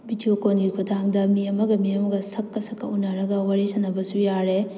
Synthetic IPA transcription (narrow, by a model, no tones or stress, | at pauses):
bitʰiokonɡikʰodaaŋdɐmiɐmɐɡɐmiɐmɐɡɐsɐkːɐsɐkːɐunaɾɐɡɐwaɾesɐnɐbɐsujaɾe